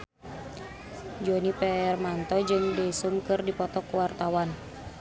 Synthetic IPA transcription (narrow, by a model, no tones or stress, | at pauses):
d͡ʒonipɛɛrmant̪ɔd͡ʒɨŋdɛsumkɨrdipɔt̪ɔkuwart̪awan